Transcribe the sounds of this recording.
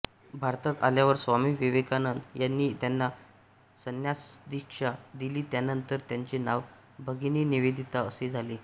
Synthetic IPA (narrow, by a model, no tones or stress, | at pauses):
bʱaɾt̪ək̪aljaʋəɾsʋamiːʋeʋekanənt̪janːiːt̪janːa | sənjasd̪ikʂad̪iliːt̪janənt̪əɾt̪jaɲt͡ɕinaʋ | bʱəɡiniːniʋed̪ʱit̪aəsed͡zʱaliː